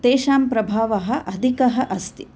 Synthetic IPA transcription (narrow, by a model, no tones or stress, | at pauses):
t̪eːʃaːmpɾɐbʱaːʋɐɦɐ̆ʔɐd̪ʱikɐɦɐ̆ʔɐst̪i̥